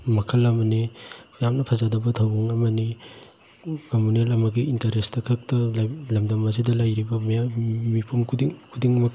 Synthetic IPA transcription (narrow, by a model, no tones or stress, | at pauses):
mɐkʰɐlɐmɐnijamnɐpʰɐzadɐbɐtʰɐwbuŋɐmɐni | komunelɐmɐɡiintɐɾestɐkʰɐk̚tɐllɐmdɐmɐzidɐlɐjɾibɐmjamipʰumkʰudiŋkʰudiŋmɐ